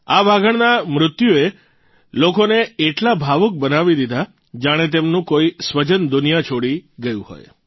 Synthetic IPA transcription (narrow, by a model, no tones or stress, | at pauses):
aʋaɡəɳnamɾʊt̪jue | lokoneːʈlabʱaʋək̚bənaʋid̪id̪ʱa | d͡ʒaɽ̃et̪̬emnũkoisʋəd͡ʒənd̪ʊnijat͡ʃʰoɽiɡəjṵ̃ho̰j